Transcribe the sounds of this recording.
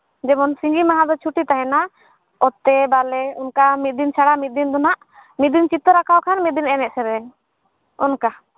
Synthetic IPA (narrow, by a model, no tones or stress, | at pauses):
d͡ʒɛbɔnsĩɲd͡ʒimaɦãd̪ɔt͡ʃʰuʈit̪aɦɛna | ɔt̪ɛbalɛɔnkamit̪̚d̪int͡ʃʰaɽamit̪̚d̪ind̪ɔnaʔ | mit̪̚d̪int͡ʃit̪ɔɾakʰawkʰanmit̪̚d̪inɛnɛʔ̚sɛɾɛ | ɔnka